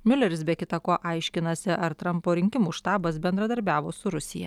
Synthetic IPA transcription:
mʲʊlʲɛɾʲɪsbʲɛkʲɪt̪ɐkoːʔɐɪʃʲkʲɪnɐsʲɪʔɐɾt̪ɾɐmpoːɾʲɪŋʲkʲɪmuːʃt̪ɑːbɐsbʲɛnd̪ɾɐd̪ɐɾʲbʲæːʋoːsʊɾʊsʲɪjɛ̰

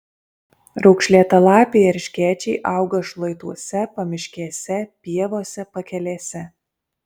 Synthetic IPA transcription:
ɾɒʊkʃʲlʲiɛt̪ɐlˠɑːpʲeɪɐɾʲʃʲkʲæːt͡ʃʲɛɪʔɑˑʊɡɐʃlˠɐɪt̪uɔsʲɛpɐmʲɪʃʲkʲiɛsʲɛpʲiɛʋoːsʲɛpɐkʲɛlʲeːsʲɛ

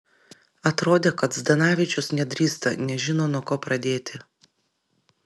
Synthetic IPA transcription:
ɐt̪ɾoːd̪ʲeːkɐt̪zd̪ɐnɑːʋʲɪt͡ʃʲʊsnʲɛd̪ʲɾʲiːst̪ɐ̰nʲɛʒʲɪnoːnuɔkoːpɾɐd̪ʲeːt̪ʲɪ

